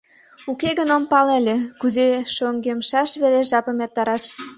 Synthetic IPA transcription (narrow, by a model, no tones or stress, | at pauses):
ukeɣənompɑlelʲekuzeʃoŋɡemʃɑʃβeleʒɑpə̆mert̪ɑɾɑʃ